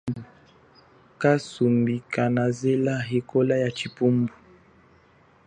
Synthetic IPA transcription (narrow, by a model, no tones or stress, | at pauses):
u | kasumbikanazɛlaɦekɔlajat͡ʃipumbu